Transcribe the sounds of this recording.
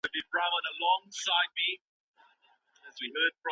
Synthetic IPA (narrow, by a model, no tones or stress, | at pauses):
ɨbĩnɹavədəlɔ̃ŋsaɪd̚mi | əzwiɦɜːd̥̚fɹʌ̃